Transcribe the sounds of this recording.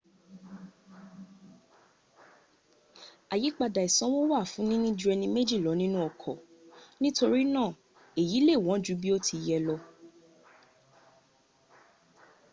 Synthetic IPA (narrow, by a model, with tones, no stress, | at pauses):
a˨ji˨˦k͡pa˧da˨i˨sã˦wõ˦wa˦˨fũ˨˦nĩ˦nĩ˦d͡ʒu˧˦ɛ˧nĩ˧me˦d͡ʒi˦˨lɔ˨˦nĩ˦nũ˦ɔ˦˨kʰɔ˨ | nĩ˦to˧ɾi˦nãː˦˨ | e˨ji˨˦le˦˨w̃ɔ̃˨˦d͡ʒu˨˦bi˦o˦tʰi˧jɛ˧lɔ˧